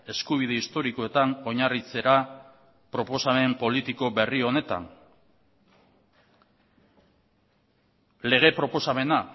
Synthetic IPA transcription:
e̞skuβ̞ið̞e̞ist̪o̞ɾiko̞e̞t̪ano̞ɲarit͡se̞ɾa | pɾo̞po̞same̞mpo̞lit̪iko̞be̞rio̞ne̞t̪a̰n | le̞ɣ̞e̞pɾo̞po̞same̞na

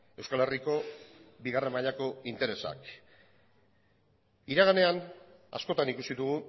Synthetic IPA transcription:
e̞wskale̞riko̞biɣare̞mbaʎako̞int̪e̞ɾe̞sa̰k | iɾaɣ̞ane̞ana̰sko̞t̪anikusiðuɣu

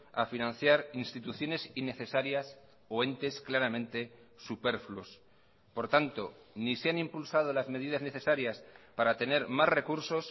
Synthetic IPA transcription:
a̰finãn̟θjaɾinst̪it̪uθjo̞ne̞sine̞θe̞saɾjas | oe̞nt̪e̞sklaɾamẽnt̪e̞ | supe̞ɾflus | po̞ɾt̪ant̪o̞ | niseanĩmpulsað̞o̞lazme̞ð̞ið̞azne̞θe̞saɾjaspaɾat̪e̞ne̞ɾmasre̞kuɾso̞s

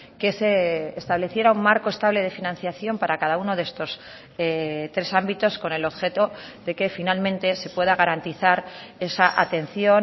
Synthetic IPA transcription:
keseːst̪aβle̞θje̞ɾaummaɾko̞e̞st̪aβle̞ð̞e̞finãn̟θjaθjo̞mpaɾakaðauno̞ðe̞st̪o̞s | et̪ɾe̞sambit̪o̞sko̞ne̞lo̞βxe̞t̪o̞ðe̞ke̞finalmẽ̞nt̪e̞se̞pwe̞ðaɣaɾant̪iθaɾe̞saʔat̪e̞nθjon

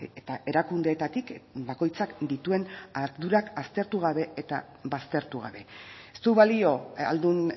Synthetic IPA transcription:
et̪aʔe̞ɾakund̪e̞ːt̪at̪ikbako̞jt͡sakd̪it̪ue̞naɾðuɾakast̪e̞ɾt̪uɣ̞aβe̞et̪a | βast̪e̞ɾt̪uɣ̞a̰βe̞est̪uuβalio̞a̰ld̪un

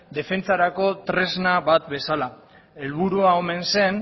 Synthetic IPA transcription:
d̪e̞fe̞nt͡saɾako̞t̪ɾe̞znaβat̪be̞sala | e̞lβ̞uɾuao̞me̞nse̞n

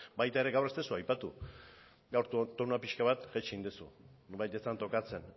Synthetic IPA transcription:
bajt̪ae̞ɾe̞ɡawrest̪esuajpat̪ṵ | ɡawɾt̪t̪onapiʃkaβat̪ʝet͡ʃind̪esṵβajt̪et͡sant̪o̞kat͡se̞n

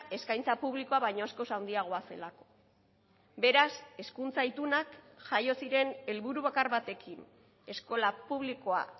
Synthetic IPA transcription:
e̞skajnt͡sapuβliko̞aβajɲo̞asko̞sawnd̪iaɣ̞o̞ase̞̰lako̞̥ | be̞ɾase̞skunt͡sait̪unak | ʝajo̞siɾe̞ne̞lβuɾuβakaɾβat̪e̞kʰin | e̞sko̞lapuβliko̞a̰

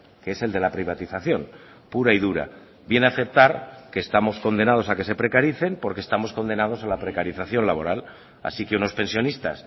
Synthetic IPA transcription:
kee̞se̞ld̪e̞lapɾiβat̪iθaθjo̞n | puɾaiðuɾa̰ | bje̞naθe̞p̚t̪aɾke̞ːst̪amo̞sko̞nd̪e̞nað̞o̞sake̞se̞pɾe̞kaɾiθe̞mpo̞ɾkest̪amo̞sko̞nd̪e̞nað̞o̞salapɾe̞kaɾiθaθjo̞nlaβ̞o̞ɾal | a̰sikeuno̞spe̞nsjo̞nist̪a̰s

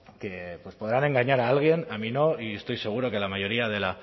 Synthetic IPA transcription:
ke̞pwe̞spo̞ð̞ɾane̞ŋɡaɲaɾaalɣ̞je̞namino̞iest̪o̞jse̞ɣ̞uɾo̞kelamajo̞ɾiað̞e̞la

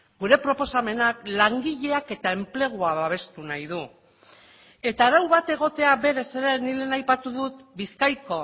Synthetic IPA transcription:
ɡuɾe̞pɾo̞po̞same̞naklaŋɡiʎe̞ake̞t̪ae̞mple̞ɣ̞uaβaβ̞e̞st̪unajðu | e̞t̪aːɾawβat̪e̞ɣ̞o̞t̪e̞aβe̞ɾe̞se̞ɾenile̞najpat̪uðut̪biskajko̞

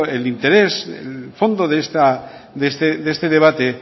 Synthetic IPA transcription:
elint̪e̞ɾe̞sḛlfo̞nd̪oðest̪a | d̪est̪ed̪est̪e̞ð̞e̞β̞at̪e

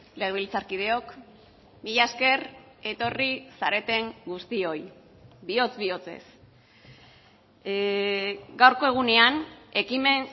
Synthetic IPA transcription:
le̞ɣilt͡saɾkiðe̞o̞k | miʎaske̞ɾ | e̞t̪o̞risaɾe̞t̪e̞ŋɡust̪io̞j | bio̞t͡sβio̞t͡se̞̰s | ɡawɾko̞eɣ̞une̞ane̞kime̞n

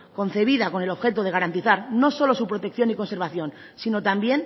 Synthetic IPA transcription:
ko̞n̟θe̞β̞ið̞ako̞ne̞lo̞βxe̞t̪oðe̞ɣaɾant̪iθaɾno̞so̞lo̞supɾo̞t̪ek̚θjo̞niko̞nse̞ɾβaθjo̞n | sino̞t̪ambje̞n

